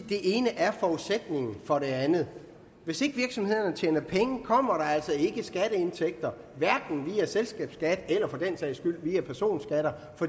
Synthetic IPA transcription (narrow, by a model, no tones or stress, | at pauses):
d̥e̝ʔe̝ːnəʔæɐfɒuðˠsed̥ne̝ŋn̩fɒ̽ɾ̥e̝ænð̩ˠ | ʋe̝se̝ɡ̥əʋiɐɡ̥sɒ̽mhe̝ð̞̰ˠɐnət͡ɕʰjeːnɐpʰeŋəkʰɒ̽m̰ɐɾ̥ɑ̈æl̰sɒ̽e̝ɡ̥əsɡ̥æɾəe̝nt͡sʰeɡ̥̚d̥ɐ | ʋæɐɡ̥n̩ʋiːæselsɡ̥ɛ̰ːb̥sɡ̥æd̥elɐfɒ̽d̥ensɛ̰ɪsɡ̥yl̰ʋiːæpʰæɐso̝̰ːnsɡ̥æɾ̥ɐ | fɒ̥̽